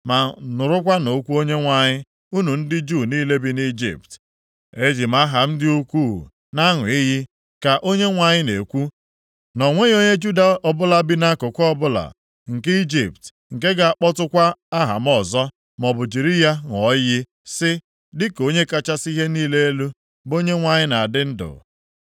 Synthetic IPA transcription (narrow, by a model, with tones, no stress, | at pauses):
ma˨nʊ˨ɾʊ˦k̬ʷa˦no˨˦kʷu˦o˦ɲe˦ŋʷa˨ɲɪ˦ | u˦nu˨n̩˦dɪ˦d͡ʒu˦˨niː˦le˦bi˦ni˦d͡ʒḭ˨p̚t | e˦d͡ʒi˨ma˦ɦa˨m̩˦dɪ˦u˦kʷu˦˨ | na˦ŋʊ˨i˦ɦi˦ | ka˨ʔo˦ɲe˦ŋʷa˨ɲɪ˦ne˨kʷu˦ | nɔ˨ŋʷe˦o˦ɲe˦d͡ʒu˦da˨ɔ˦bʊ˦la˦bi˦na˦kʊ˨kʷɔ˦bʊ˦la̰˨ | ŋ̩˨ki˦d͡ʒḭ˨p̚t | ŋ̩˨ke˦ɡa˨a˦k͡pɔ˦tʊ˦kʷa˦a˦ɦa̰˨m̩˦ɔ˨zɔ˦ | mɔ˨bʊ˨d͡ʒi˨ɾi˦ja˦ŋɔ˨˦jɪ˦ | sɪ˦ | dɪ˦ko˦ɲe˦ka˦t͡ʃa˦si˦ɦe˦niː˦le˦e˦lu˦ | bo˦ɲe˦ŋʷa˨ɲɪ˦na˨a˨dɪ˦n̩˦dʊ̰˨